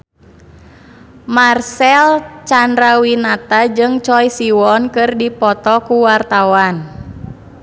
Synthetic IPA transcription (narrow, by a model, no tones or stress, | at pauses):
marsɛlt͡ʃandɾawinat̪ad͡ʒɨŋt͡ʃɔjsiwɔnkɨrdipɔt̪ɔkuwart̪awan